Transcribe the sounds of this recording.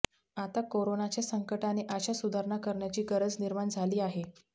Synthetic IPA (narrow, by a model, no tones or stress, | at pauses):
at̪akoɾonat͡ɕjasəŋkəʈaneʔaɕasud̪ʱaɾɳakəɾɳjat͡ɕiːɡəɾəd͡zniɾmaɳd͡zʱaliːaɦe